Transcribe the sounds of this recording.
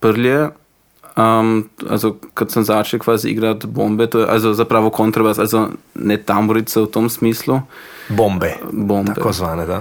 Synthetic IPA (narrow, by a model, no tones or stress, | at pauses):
pəɾljɛ | əma̰lzokat̪səmzaːt͡ʃɛlkʋaːziḭɡɾat̪bombɛt̪oːjɛʔa̰lzozapɾaːʋɔkont̪ɾabasalzo | nɛt̪amɔɾit̪sɛwt̪omsmiːslu | bombɛbombaɛkozʋaːnɛd̪a